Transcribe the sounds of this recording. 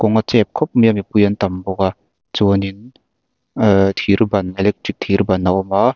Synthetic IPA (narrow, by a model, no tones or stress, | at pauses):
kɔŋat͡ʃep̚kʰɔp̚mijamipujantambɔɡa | t͡ʃonin | tʰiɾbanelek̚tik̚tʰiɾbanːawɔma